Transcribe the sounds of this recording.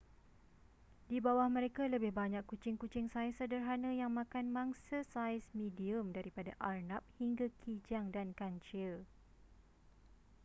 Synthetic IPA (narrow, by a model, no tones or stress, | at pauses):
dibawahmə̃ɾekaləbɪhbaɲakːut͡ʃɪŋkut͡ʃɪŋsajsədərɦanãjaŋmãkanmãŋsasajsmidiəmdaɾipadaʔarnap̚hiŋɡakʰid͡ʒaŋdankaɲt͡ʃɪl